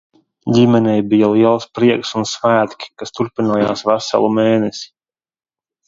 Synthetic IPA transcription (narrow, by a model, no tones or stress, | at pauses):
ɟʲimɛnɛjbijaliɛlˠspɾiɛksunsvæːt̪kʲi̥kast̪uɾpinuːja̰ːsvæsa̰lˠumeːnɛsi̥